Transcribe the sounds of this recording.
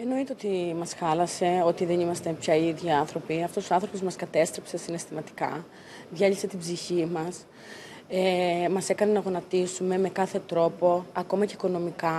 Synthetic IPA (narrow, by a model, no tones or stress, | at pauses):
e̞no̞it̪eo̞t̪imɐsxɐlɐse̞ot̪iðe̞nimɐst̪e̞pçɐiðʝiɐnθɾo̞piɐft̪osoɐnθɾo̞po̞zmɐskɐt̪e̞st̪ɾe̞pse̞sine̞st̪imɐt̪i̥kɐ̰ | ðʝɐʎise̞t̪ibziçimɐs | emɐse̞kɐnenɐɣo̞nɐt̪isume̞me̞kɐθe̞t̪ɾo̞po̞ɐko̞mɐceiko̞no̞mikɐ